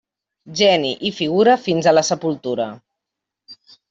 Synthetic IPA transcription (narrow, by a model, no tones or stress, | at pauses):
ʒɛniʔifiɣ̞uɾəfinzələsəpulˠt̪uɾə